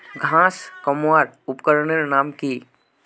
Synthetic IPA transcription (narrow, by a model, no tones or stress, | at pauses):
ɡʱãːskəmaːɾʊpkəɾɳeɾnaːmki